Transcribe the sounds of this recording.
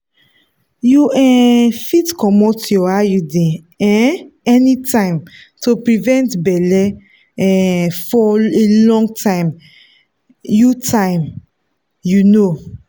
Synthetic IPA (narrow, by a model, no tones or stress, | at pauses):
juɛ̃fitkɔmɔtjɔajudɛ̃ | ɛ̃ɛnitãɪ̃m | topɹivɛ̃ntbɛlɛ | ɛ̃fɔelɔ̃ŋɡtʰãɪ̃m | jutʰãɪ̃m | juno